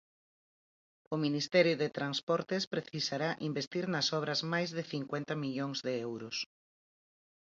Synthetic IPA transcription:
ʊminist̪ɛɾjʊðet̪ɾanspɔɾt̪espɾeθisaɾaʔimbest̪iɾnɐsɔβ̞ɾɐzmajzðɪθiŋkwent̪ɐmiʎoŋzðeɛwɾʊs

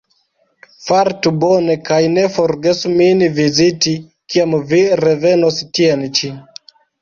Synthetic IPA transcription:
faɾtubo̞ne̞kajne̞fo̞ɾɡe̞suminiviziti | kiamviɾeve̞nostient͡ʃi

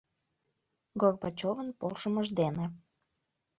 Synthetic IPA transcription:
ɡorbɑt͡ɕovənpolʃəməʒd̪ene

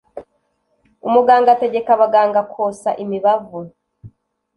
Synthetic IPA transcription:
umuɡaːŋɡate̞ɟe̞kaβaɡaːŋɡakʰoːsaʔimiβavo

